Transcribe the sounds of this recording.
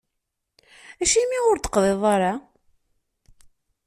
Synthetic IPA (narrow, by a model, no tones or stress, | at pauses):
æʃimːiʊɾt̪ə̥qðˤeðˤɑɾˤa